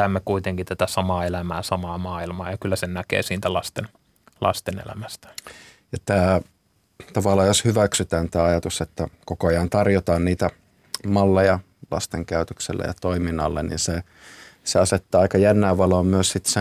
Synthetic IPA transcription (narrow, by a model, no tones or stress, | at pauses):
æmːekuit̪eŋkit̪æt̪æsɑmɑːelæmæːsɑmɑːmɑːilmɑːjɑkylːæsennækḛːsiːnt̪ælɑst̪en | lɑ̰st̪enḛlæ̰mæst̪æ̥ | jɑt̪æː | t̪ɑʋɑlːˑɑːjjoshyʋæksyt̪æːnt̪æːɑjɑt̪uset̪ːækokoɑjɑnt̪ɑrjot̪ɑːnniːt̪æ | mɑlːejɑ | lɑ̰st̪eŋkæyt̪yksḛlːæ̰jɑ̰t̪oiminːɑlːenḭnse | seɑset̪ːɑːɑikɑjænːæːʋʋɑloːmmyøssit̪se